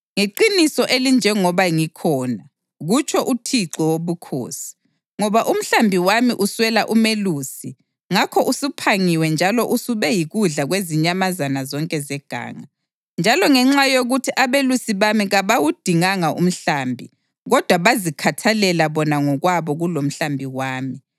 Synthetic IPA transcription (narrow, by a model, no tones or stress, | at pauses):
ŋeǃinisɔʔelind͡ʒʱɛŋɔβaŋikʰɔːna | ɣut͡ʃʰɔʔutʰiǀɔwoβukʰo̰ːsi̥ | ŋɔβaʔum̩ɬambʱiwamiʔuswɛlaʔumeluːsi | ŋakʰɔʔusupʰaŋiwɛnd͡ʒʱalɔʔusuβɛjiɣuɮaɣweziɲamazanazɔŋkʼɛzɛɡ̥ʱa̰ːŋa | nd͡ʒʱalɔŋɛŋ͡ǁajoɣutʰiʔaβelusiβamiɣaβawud̥ʱiŋaŋaʔṵm̩ɬaːmbʱḭ | ɣɔd̥ʱwaβazikʰatʰalɛlaβɔnaŋɔɣwaβɔɣulom̩ɬambʱiwaːmi